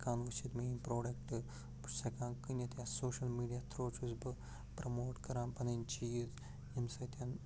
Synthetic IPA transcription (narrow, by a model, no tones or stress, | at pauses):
kaːnʋɐt͡ʃit̪meimpɾoːɖɐkʈɨ | busɐkãːnkɨnjɐt̪ʰjasoːʃɐlmiːɖijat̪ʰɾoːt͡ʃuzbɨ | pɾɐmoːʈkɐɾãːnpɐnɐnʲt͡ʃiːz | emsɐt̪ʰɐn